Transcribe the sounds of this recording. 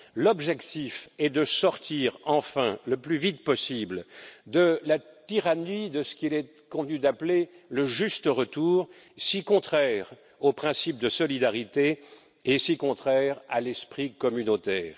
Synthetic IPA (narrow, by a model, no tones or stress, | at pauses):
lɔbʒɛkt̪ifɛd̪əsɔʁt̪iʁɑ̃fɛ̃ləplyvit̪̚pɔsibld̪əlat̪iʁanid̪əsə̥kʲilɛ | kɔ̃vənyd̪apleləʒyst̪əʁət̪uːʁ | sikɔ̃t̪χɛʁ | opχɛ̃sip̚d̪əsɔlid̪aʁit̪e | esikɔ̃t̪χɛʁa̰lɛspχikɔmynot̪ɛːʁ